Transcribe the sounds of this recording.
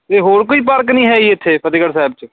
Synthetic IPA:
eːɦoːɾkoːiːp̬əɾknĩːɦɛːiːɪt̪ʰːeːpət̪̬iːkəɾsaːɪb̚t͡ʃ

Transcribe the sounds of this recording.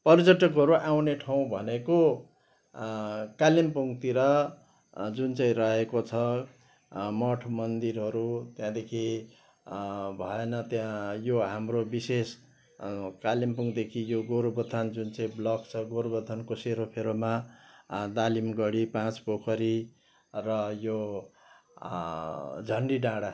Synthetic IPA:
pʌrd͡zʌʈʌkɦʌɾuʔawneʈʰaw̃bʱʌneko | kalimpuŋɡt̪iɾʌ | d͡zunt͡saĩrʌɦekot͡sʰʌ | mʌʈʰmʌnd̪irɦʌɾut̪jãd̪ekʰi | bʱʌ̰enʌt̪jãjoɦamrobises | kalimpuŋɡd̪ekʰijoɡoɾbʌt̪ʰʌnd͡zunt͡saĩblʌkt͡sʰʌɡoɾbʌt̪ʰʌnkoseɾopʰeɾoma | d̪alimɡʌɽipãt͡spokʰʌɾi | rʌjo | d͡zʱʌɳɖiɖãɽa

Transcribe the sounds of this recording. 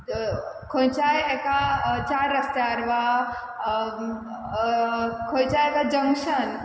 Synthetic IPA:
kʰojt͡ʃajekat͡ʃaɾːəst̪aɾba | kʰojt͡ʃajekad͡ʒə̃ŋʃən

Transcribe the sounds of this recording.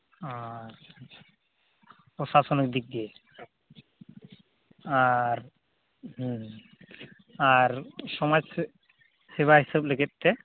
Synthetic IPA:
at͡ʃʰat͡ʃʰḁ | pɔsasɔnikd̪ik̚d̪ie | aɾ | ɦ | aɾʃɔmajs | seβaɦisableɡet̪̚ːe

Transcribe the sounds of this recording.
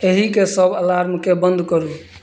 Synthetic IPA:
eɦikesəbəlaɾmkebənd̪ʱkəɾu

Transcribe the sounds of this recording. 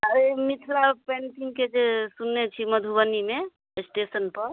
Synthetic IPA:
əɾemit̪ʰɾapɛ̃ɳʈiŋked͡ʒesunːet͡ʃʰiməd̪ʱubənimẽ | sʈesənpəɾ

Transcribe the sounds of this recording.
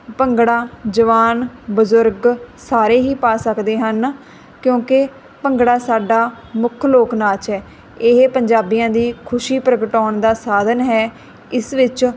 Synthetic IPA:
pəŋɡɽaːd͡ʒəʋaːnbəzʊɾɡsaːɾeːɦiːpaːsəkd̪eːɦən | kjõːkɪ | pəŋɡɽaːsaːɖaː | mʊkʰloːknaːt͡ʃɦɛː | ɪɦepəɲd͡ʒaːbijãːd̪iːkʰʊʃiːpɾəɡʈɔːɳd̪aːsaːd̪ʱənɦɛː | ɪsʋɪt͡ʃ

